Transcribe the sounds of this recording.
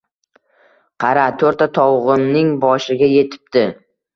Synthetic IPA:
qʰɑɾat̪ʰoɾt̪at̪ʰɒwʁɨmnɪŋbɒʃɪɡʲaje̞t̪ʰɪ̥p̚t̪ɪ

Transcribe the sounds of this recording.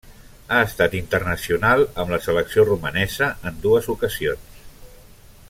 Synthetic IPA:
aəst̪at̪int̪ərnəsiunalˠəmləsələksiorumənɛzəənd̪uəzukəzions

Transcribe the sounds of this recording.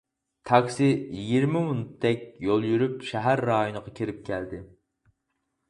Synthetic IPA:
t̪ʰɑkʲsɪjiɡʲiɾmɪmunut̪ʰːɛk̚ʲjolˠjyɾypʃɛɦæɾːɑjonəʁɑkʲʰiɾɪp̚kʲʰɛld̪ɪ

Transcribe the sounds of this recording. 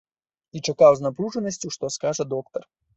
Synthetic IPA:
it͡ʂɐkawznapɾʲuʐɛnɐsʲt͡sʲuʂt̪ɔskaʐɐd̪ɔkt̪ɐr

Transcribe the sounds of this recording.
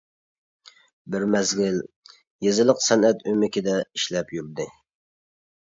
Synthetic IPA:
bɪɾmɛzɡʲɪl | jezɨlˠəqsɛnɛt̪ymɪkʲɪd̪ɛiʃlɛpjyɾd̪ɪ

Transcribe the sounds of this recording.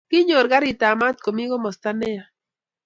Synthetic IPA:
kiɲoɾɡaɾit̪amat̪̚komiɣomost̪anea

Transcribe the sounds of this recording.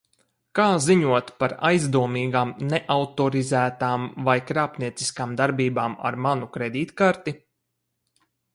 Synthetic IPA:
kaːziɲuɔt̪paɾa̰jzd̪uɔmiːɡaːmneʔawt̪ɔɾizæːt̪aːmvajkɾaːpniɛt̪si̥skaːmd̪aɾbiːbaːma̰ɾmanukɾed̪iːt̪kaɾt̪i

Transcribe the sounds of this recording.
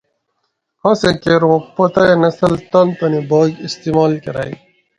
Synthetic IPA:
hɐ̃sekeɾwõpɐt̪ɐenɐsɐlt̪ɐnt̪ɐnibaːɡist̪imaːlkɐɾa̰ːḭ

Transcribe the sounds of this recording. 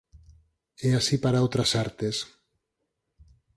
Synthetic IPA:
ɛasipaɾaowt̪ɾasaɾt̪es

